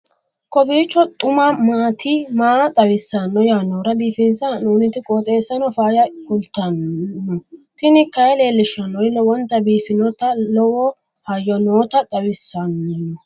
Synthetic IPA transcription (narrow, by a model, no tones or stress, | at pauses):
kɔbiːt͡ʃːɔt̪ʼʊmamaːt̪ʰimaːt̪ʼɐwɪsːɐnːɔjaːnoːɾɐbiːfɛnsɐnuːnɪt̪ɪkʼɔːt̪ʼeːsːɐnɔfaːjɐkʊlt̪ːɐnːɔt̪ɪnɪkɐjleːlːɪʃɐnːɔjlɔwɔnt̪ːɐbiːfɪnɔt̪ɐlɔwɔ | hɐjɔnoːt̪ɐt̪ʼɐwɪsːɐnːɔ